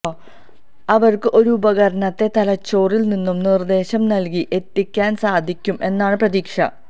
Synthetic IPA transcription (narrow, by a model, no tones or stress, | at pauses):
ɐʋɐrkɨʔo̞ɾuubɐɣɐɾɐɳɐt̪ːe̞t̪ɐlɐt͡ɕːo̞ːrilninːumnird̪e̞ːɕɐmnɐlk̬iʔe̞t̪ːikʲːaːnsaːd̪ʱikʲːume̞nːaːɳɨprɐðiːkʂɐ̰